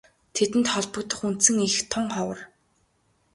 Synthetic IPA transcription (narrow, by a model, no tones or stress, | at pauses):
t̪ʰet̪ɘ̆nt̪χɔɮpɞ̆kt̪ə̆χun̥t̪sɘ̆ŋixt̪ʰɔŋχɔwə̆r